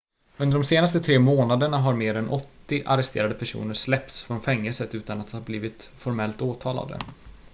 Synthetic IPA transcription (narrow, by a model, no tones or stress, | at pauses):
ɵnd̪əɖɔmseːnast̪ət̪ʰɾeːmoːnad̪əɳaɦaɾmeːɾɛnʔɔt̪ːɪʔa̰ɾɛst̪ʰḛːɾad̪əpʰæʂṵːnəɾʂlɛp̚t̪sfɾɔnfɛŋːəlsət̪ʉ̟ːt̪anat̪hɑːbliːvɪt̪fɔɾmɛlt̪oːt̪ʰɑːla̰d̪ə̰